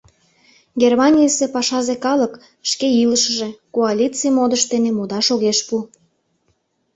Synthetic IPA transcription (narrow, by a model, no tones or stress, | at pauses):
ɡʲermɑnʲijəsepɑʃɑzekɑlək | ʃkeiləʃəʒekoalʲit͡sijmod̪əʃt̪enemud̪ɑʃoɣeʃpu